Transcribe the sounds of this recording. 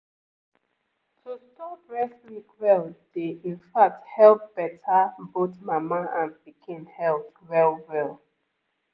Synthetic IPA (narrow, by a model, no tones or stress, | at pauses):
tʰustɔpɹɛslikwɛld̥eĩnfak̚thɛlpb̥ɛtʰabotmamaãnpikʰẽnhɛl | ɹɛlwɛlˠ